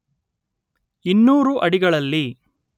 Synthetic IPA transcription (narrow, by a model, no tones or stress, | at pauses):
inːuːɾuʔɐɽiɡɐɭɐlːi